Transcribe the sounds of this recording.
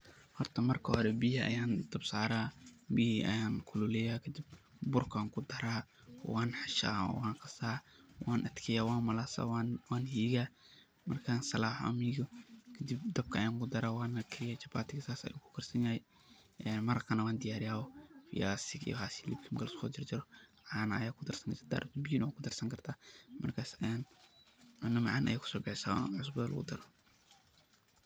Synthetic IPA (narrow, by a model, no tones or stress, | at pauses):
hɔrt̪ʰɐmɐrkʰɐhɔɾɛbiɦiʔɐ̰jaːnd̪̥ɐbsaːɾaːmihiʔɐ̰jaːnkʰʊlʊlɛjaːkʰɐd̪ib̚bʊrkʰaːŋkʰʊd̪ɐɾaː | waːnħaʃa̰ːwaːŋqɑsaːwaːnʔɐd̪kʰɛjaːwaːnmɐlasa̰wwaːnhiːɣaː | mɐrkʰaːnsɐlaːħʔɐ̰miːɣɔkʰɐd̪ib̚d̪ɐb̚kʰɐɐjaːŋɡʊd̪ɐɾawaːnɐkʰɪɪjat͡ʃɐbaːt̪ɪɡsaːsɐ̰jakʰʊ̥kʰɐrsɐnjahɛ | ʔɛnmɐɾɐkʰɐnɐwaːnd̪ɪjaːɾɪjaːwɔfɪ̰jaːsɪkḭxasilib̚kʰimɡɐlskɔ̰ːd͡ʒɪrd͡ʒɪɾɔʕaːnʔɐ̰jaːkʰʊd̪ɐrsɐnɐd͡ʒɐd̪a̰ːɾʔt̪binwaːkʰʊd̪ɐrsɐŋkɐrt̪ʰaːmɐrkʰaːsan | nːɐmaʕanʔɐ̰jaːkʰʊ̥sɔːɡɐʕɪsa̰ːwa̰as̬bɛðlʔʊ̰ɣʊ̰d̪ɐɾɔ